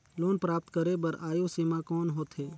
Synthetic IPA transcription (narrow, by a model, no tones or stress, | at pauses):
loːnpɾaːp̚t̪kəɾebəɾaːjoːsiːmãːkɔːnɦoːt̪ʰɦeː